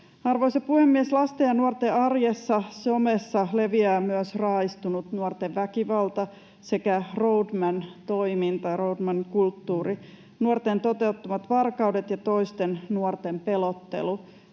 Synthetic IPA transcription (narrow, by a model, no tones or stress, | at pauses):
ɑrʋoisepuhemːieslɑst̪ejɑnuort̪eɑrjesːɑsomesːɑle̞ʋiæːmyøsrɑist̪unut̪nuort̪eʋʋækiʋɑlt̪ɑ | sekærowdmænt̪oimint̪ɑroudmæŋkult̪ːuːri | nuort̪ent̪o̞t̪e̞ut̪ːɑmɑt̪ʋɑrkɑwdet̪jɑt̪o̞ist̪ennuort̪empe̞lot̪ːḛlu